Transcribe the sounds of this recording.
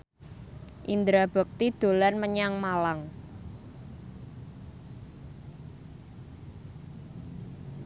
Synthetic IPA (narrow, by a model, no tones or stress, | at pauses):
ʔind̪ɾab̥ə̤k̚t̪id̪̥o̤lanməɲaŋmalaŋ